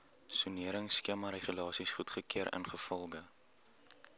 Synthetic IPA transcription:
suniəɾəŋskiəmɐɾeχylɑːsisχutχəkiəɾʔə̰nχəfɔlˠɡə

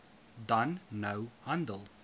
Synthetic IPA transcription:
dʌ̃nːoʊhʌ̃ndəlˠ

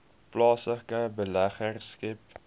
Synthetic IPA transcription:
plɑːsəkəbəlæχərskɛp̚

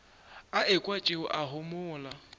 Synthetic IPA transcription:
aɪkʼwat͡ʃʼɪʊʔaɦʊmʊːla

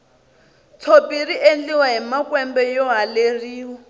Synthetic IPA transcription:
t͡sʰopiɾiʔend͡ɮiwaɦimakwɛmbɛjɔɦaleriːɦɔ

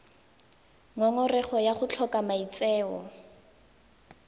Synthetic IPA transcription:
ŋɔŋɔrɛχɔjaχʊt͡ɬʰɔkʼamait͡sɛːwɔ̰

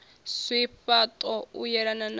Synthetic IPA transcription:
swiɸat̪ʼɔujɛɾanan

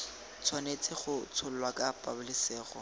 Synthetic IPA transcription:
t͡sʰwanet͡sʼɪχʊt͡sʰʊl̩lwakapʼabʊlɪseːχɔ̰

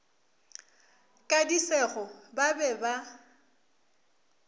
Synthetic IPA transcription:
kʼadisɛɣɔbabɛba

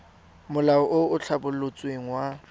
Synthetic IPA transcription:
mʊlaɔʔʊʊt͡ɬʰabʊlot͡sʼweŋ̩wa

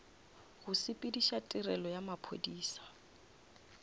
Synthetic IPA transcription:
ɣʊsɪpʼidiʃatʼɪrɛlɔjamapʰo̰diːsḁ

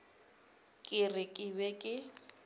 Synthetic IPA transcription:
kʼɪrɪkʼɪβɛkʼɪ

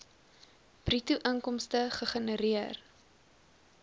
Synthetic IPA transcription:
b̥rituʔəŋkɔmstəχəχənəɾiər

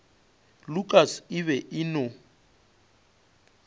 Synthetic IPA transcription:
lukʼasɪβɛʔɪno

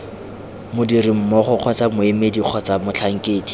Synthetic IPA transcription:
mʊdirim̩mɔχʊq͡χʰɔt͡samʊɪmediq͡χʰɔt͡samʊt͡ɬʰaŋ̩keːdi

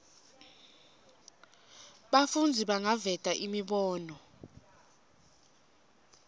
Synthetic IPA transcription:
ɓafund͡zʱiɓaŋavɛd̥ʱʼaʔimiɓɔːnɔ

